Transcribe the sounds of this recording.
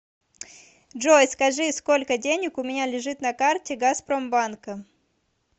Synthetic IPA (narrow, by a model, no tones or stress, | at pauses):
ʐojskɐʐɨsko̞lʲkədʲenʲɪkʊmʲɪnʲalʲɪʐɨt̪nɐkartʲɪɡaspɾombankə